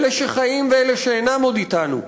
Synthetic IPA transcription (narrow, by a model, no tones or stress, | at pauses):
leʃeχajimveeleʃeejnamo̞d̪it̪anṵ